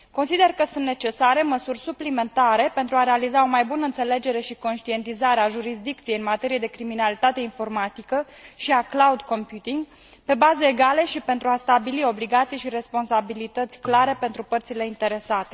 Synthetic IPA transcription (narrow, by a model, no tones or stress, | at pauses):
ko̞nsid̪e̞rkəsunt̪ne̞t͡ʃe̞saɾe̞məsurʲsuplime̞nt̪aɾe̞pe̞nt̪ɾuaɾe̞alizao̞majbunəɨnt̪se̞le̞d͡ʒe̞ɾe̞ʃiko̞nʃt̪ie̞nt̪izaɾeaʒuɾis̬d̪ik̚t̪sijeɨnmat̪e̞ɾije̞d̪e̞kɾiminalit̪at̪e̞info̞rmat̪ikə | ʃiaklaud̪ko̞mpjut̪iŋɡ | pe̞bazəeɡale̞ʃipe̞nt̪ɾuast̪abilio̞bliɡat̪sijʃiɾe̞spo̞nsabilit̪ət̪sʲklaɾe̞pe̞nt̪ɾupərt̪sile̞int̪e̞ɾe̞sat̪e̞